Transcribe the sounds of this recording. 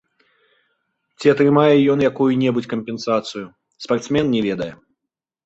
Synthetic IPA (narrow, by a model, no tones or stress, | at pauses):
t͡sʲiɐt̪ɾɨmajɛjɔnjakujunʲɛbut͡sʲkɐmʲpʲɛnsat̪sɨju | spart̪smʲɛnnʲɛvʲɛd̪ɐjɛ